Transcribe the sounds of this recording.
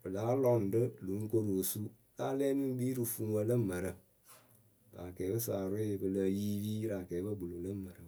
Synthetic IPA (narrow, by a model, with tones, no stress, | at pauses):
b̥ɨ˨laː˨˦lɔ˦n̩˨də˦lu˨˦ŋ̩˦ko˦ɾo˨su˦ | laː˦lɛː˦ni˦m˦biː˦ɾɨ˨fu˨ŋwə˦lə˦mə˨ɾə˨ | ba̰˨kɛː˨˦bə˦saː˨ɾɪ˦˨bɨ˧lə˧ji˦biː˦ɾa˨kɛː˨˦bə˦bu˨lo˨lə˦mə˨ɾə˨